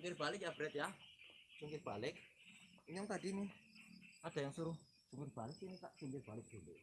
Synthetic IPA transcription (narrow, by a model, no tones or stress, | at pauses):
ŋɪrb̥alɪkjab̥ɾɛt̪̚jahd͡ʒ̥uŋkɪrb̥alɪk̚ | ɲɔŋt̪ad̥ini | ad̥a̤jaŋsuɾʊh | d͡ʒ̥uŋkɪrb̥alɪk̚init̪aʔsuŋɡɪrb̥alɪk̚d̪̥eleʔ